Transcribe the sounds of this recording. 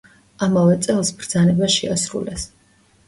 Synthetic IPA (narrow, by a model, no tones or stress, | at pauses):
amavɛt̪sʼɛlˠsbɾd̪zanɛbaʃiasɾṵlˠɛs